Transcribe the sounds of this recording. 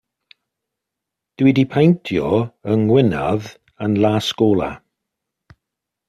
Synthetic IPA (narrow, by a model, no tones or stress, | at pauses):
d̥wɪdipʰajntʰjɔəŋwɪnɔð | ənlaːskoːlˠa̰